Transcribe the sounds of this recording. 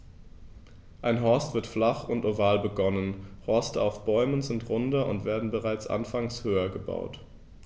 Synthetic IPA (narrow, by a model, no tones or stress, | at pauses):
ʔaɪnɦɔɐstv̥ɪɐtflaχʊntoːvaːlbəɡɔnənhɔɐstəaʊfb̥ɔʏmənzɪntʁʊndɐʊntv̥eːɐdn̩bəʁaɪt͡sʔa̰nfaŋshøːɐɡəba̰ʊt